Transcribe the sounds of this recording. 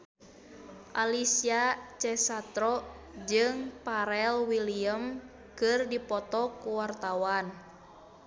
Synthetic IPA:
ʔalisiat͡ʃɛsat̪ɾɔd͡ʒɨŋpaɾɛlwiliəm | kɨrdipɔt̪ɔkuwart̪awan

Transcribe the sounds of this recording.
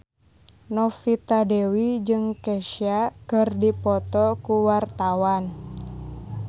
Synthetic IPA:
nɔfit̪adewid͡ʒɨŋkɛʃiakɨrdipɔt̪ɔkuwart̪awan

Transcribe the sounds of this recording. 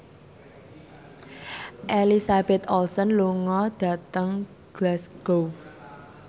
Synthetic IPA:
ʔelisab̥ɛt̪ɔlsɔnluŋɔd̪̥ä̤t̪əŋ | ɡ̥lasɡ̥ow

